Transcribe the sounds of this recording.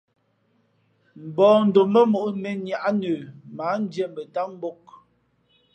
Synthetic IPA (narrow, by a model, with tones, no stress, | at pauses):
m̩˨bɔː˨n̩˨do˨mə˦mo˨ʔme˨nja˨ʔa˦nə˨ma˨˦n̩˦d͡ʒjɛ˦mbə˨ta˦m˦bo˦k̚